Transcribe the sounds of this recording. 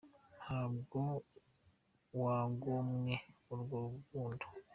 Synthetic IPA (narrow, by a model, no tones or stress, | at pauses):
hab̚ɡo | waːŋɡomŋeulɡouuɡuːndʰu̥